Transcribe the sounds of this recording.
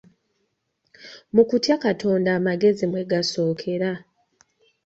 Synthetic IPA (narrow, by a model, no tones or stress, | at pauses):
mukutjakatʰo̞ːndaːmaɡe̞zimwe̞ɡaso̞ːkʰe̞ɾa